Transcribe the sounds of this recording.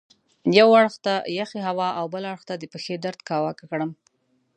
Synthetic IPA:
jawaɽxt̪ajaxeɦawɑʔawbəlaɽxt̪ad̪əpexed̪aɾd̪kɑwɑkakɽəm

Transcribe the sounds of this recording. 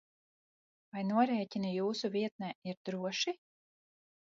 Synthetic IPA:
vajnuɔɾɛːcʲinijuːsuvʲiɛt̪̚nɛːiɾd̪ɾuɔʃi

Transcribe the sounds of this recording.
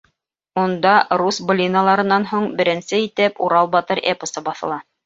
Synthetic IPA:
und̪ɑɾusb̆lʲinalˠɑɾɤ̆nːɑnɦuɴbɘ̆ɾɘ̆nsɘit̪ɘpuɾɑlˠbɑt̪ɤɾepə̆sɤbɑθɤ̆lˠɑ

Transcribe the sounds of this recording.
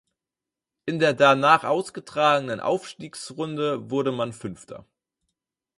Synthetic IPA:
ʔɪndeːɐdanaːχʔaʊsɡ̥ətʁ̥aːɡənənʔa̰ʊfʃtiːksʁʊndəvʊɐɾəmanfʏnftʰɐ̰

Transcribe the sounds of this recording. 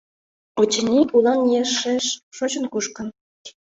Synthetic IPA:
ot͡ɕə̆nʲiʔulɑnjeʃːeʃʃot͡ɕə̆nkuʃkə̆n

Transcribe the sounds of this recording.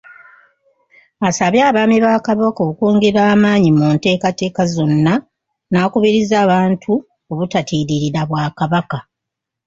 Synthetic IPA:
asaβjaːβaːmiβaːkaβokoukoːŋɡeɾaːmaːɲimuːnte̞ːkate̞ːkazo̞nːa | naːkuβiɾizaːβaːntʰu | o̞βutatiːɾiɾiɾaβwaːkaβaka

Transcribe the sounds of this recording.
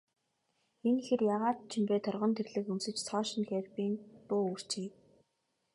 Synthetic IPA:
enxerjaʁaːt̪t͡ɕʰɪ̆mpeːt̪ʰɔrʁɞ̆nt̪ʰerɮɘ̆kunsɘ̆t͡ɕt͡sʰɔːʃɪ̆nxærpiːnp̪ʊːur̥t͡ɕiː

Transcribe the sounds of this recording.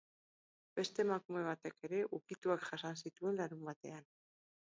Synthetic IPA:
be̞st̪e̞makume̞β̞at̪e̞ke̞ɾe̞ʔukit̪uakʝasansit̪ue̞nlaɾumbat̪e̞an

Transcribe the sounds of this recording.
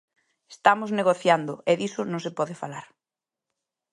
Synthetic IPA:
est̪amʊzneɣoθjand̪ʊʔeðisʊnõŋsepɔðɪfalaɾ

